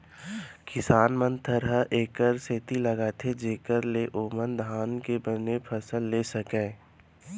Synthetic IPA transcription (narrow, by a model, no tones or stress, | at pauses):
kɪsaːnmə̃nt̪ʰəɾɦəʔeːkəɾseːt̪ilɐɡaːt̪ʰed͡ʒeːkəɾleʔoːmənd̪ʱaːnkebənepʰəsəlːeːsəkẽː